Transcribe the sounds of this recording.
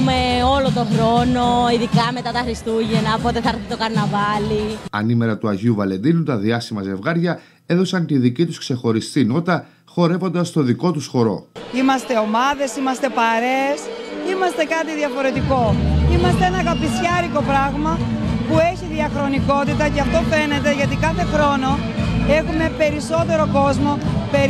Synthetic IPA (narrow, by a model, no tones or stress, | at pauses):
meo̞lo̞t̪o̞xɾo̞no̞iðikɐme̞t̪ɐt̪ɐxɾist̪uʝenɐpo̞t̪e̞θɐɾθit̪o̞kɐɾnɐvɐliɐ̰nime̞ɾɐt̪uɐʝiuvɐle̞nd̪inut̪ɐðiɐsimɐze̞vɣɐɾʝɐ | e̞ðo̞sɐnt̪iðicit̪uskse̞xo̞ɾist̪ino̞t̪ɐ | xo̞ɾe̞vo̞nd̪ɐst̪o̞ðiko̞t̪usxo̞ɾo̞̰imɐst̪e̞o̞mɐðe̞simɐst̪e̞pɐɾe̞simɐst̪e̞kɐt̪iðiɐfo̞ɾe̞t̪iko̞imɐst̪e̞enɐkɐpisçɐɾiko̞pɾɐɣmɐpue̞çiðiɐxɾo̞niko̞t̪it̪ɐceɐft̪o̞fe̞ne̞t̪e̞ʝɐt̪̬ikɐθe̞xɾo̞no̞ | e̞xume̞pe̞ɾiso̞t̪e̞ɾo̞ko̞zmo̞pe